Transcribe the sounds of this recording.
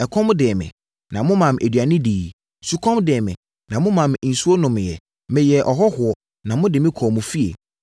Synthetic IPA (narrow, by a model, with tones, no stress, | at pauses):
ɛ˨kʰɔ̃˦m˦dɪ˨ɛ˨mɪ̰̃˨ | nã˨mʊ̃˦mã˨mʔe˨dɥa˨nɪ̃˦diː˨ | su˨kʰɔ̃˦mdɪ˨ɛ˨mɪ̰̃˨ | nã˨mʊ̃˦mã˨m˨n̩˨su˦o˦nʊ̃˨m˨jɛ˨ | mɪ̃˨jɛ˨ʔɔ˨ɦɔ˦hʊ˨ɔ˨ | nã˨mʊ̃˦dɪ˨mɪ̃˦kʰɔː˨mũ˨fi˦ḛ˨